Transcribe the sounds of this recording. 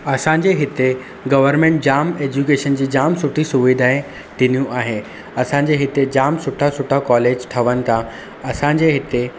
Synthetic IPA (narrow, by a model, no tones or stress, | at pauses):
ɐsãɲ̆d͡ʑeɦɪt̪e | ɡɐʋəɾmẽːɳʈ̚d͡ʑaːmeːd͡ʑukeːʃənd͡ʑiːd͡ʑaːmsʊʈʰisʊʋid̪ʱaːe | t̪ʰɪn̤ijũʔaːɦeː | ɐsãɲ̆d͡ʑeɦɪt̪ed͡ʑaːmsʊʈʰasʊʈʰakɔːleːd͡ʑt̪ʰɐʋənɪ̆t̪ʰã | ɐsãɲ̆d͡ʑeɦɪt̪e